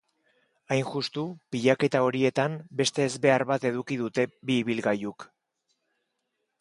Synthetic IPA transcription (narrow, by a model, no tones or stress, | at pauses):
ajnʝust̪upiʎake̞t̪ao̞ɾie̞t̪ambe̞st̪e̞ːzbe̞aɾβat̪e̞ð̞ukiðut̪e̞biːβilɣajuk